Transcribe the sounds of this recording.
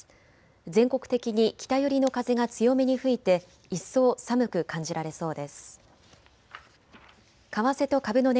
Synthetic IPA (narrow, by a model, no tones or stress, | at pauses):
zẽ̞ŋko̞kɯ̟̥t̪e̞kʲiɲ̟ikʲi̥t̪ajo̞ɾʲino̞kaze̞ŋat͡sɨjo̞meɲ̟iɸɯ̟it̪e̞ | isːo̞ːsamɯ̟kɯ̟kãɲ̟d͡ʑiɾaɾe̞so̞ːd̪e̞sɨ̥ | kaβase̞t̪o̞kabɯ̟no̞n